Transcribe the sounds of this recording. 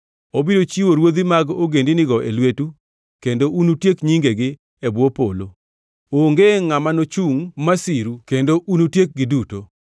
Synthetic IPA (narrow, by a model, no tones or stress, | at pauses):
obidot͡ʃiwoɾwod̪imaɡoɡendinɪɡɔʔelwetu | kendoʔunutjekɲiŋɡeɡɪ | ɛbwopolo | oŋɡeŋamanot͡ʃuŋmasiɾukendoʔunutjek̚ɡɪduto